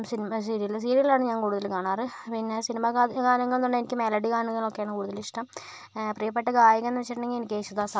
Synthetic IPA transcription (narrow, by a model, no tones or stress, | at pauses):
sinimsiːɾijilːsiːɾiɣɐlaːɳɨɲaːnkuːɽuðɐlkaːɳaːrɨpinːe̞sinimɐakaːnɐŋːɐɭnːuɳːɖenikʲːɨmelɐɖikaːɾnɐŋːɐɭokːejaːɳɨkuːɽuðɐliʂʈɐm | prijɐpːeʈːɐɡaːjɐkɣenːɨʋet͡ɕːiʈɐɳɖeŋɡienikʲːeːɕuðaːsa